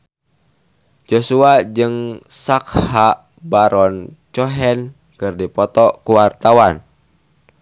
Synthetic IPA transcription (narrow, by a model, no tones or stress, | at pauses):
d͡ʒosuad͡ʒɨŋsak̚haʔ | baɾɔnt͡ʃɔɦɛn | kɨrdipɔt̪ɔkuwart̪awan